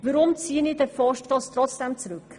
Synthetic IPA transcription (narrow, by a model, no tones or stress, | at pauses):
vəɾʊmt͡siənidɛfɑʃtfɑstrɔt͡sd̥ɛmt͡srʉk